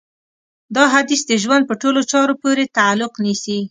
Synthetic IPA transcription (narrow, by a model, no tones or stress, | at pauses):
d̪ɑɦad̪isd̪əʒwand̪̚pəʈolot͡ʃɑɾopoɾet̪aalːʊqnisi